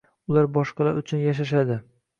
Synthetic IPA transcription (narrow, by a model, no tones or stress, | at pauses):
ʊlaɾbɒʃqɑlˠaɾʊt͡ʃʰʊnjaʃ̬aʃ̬ad̪ɪ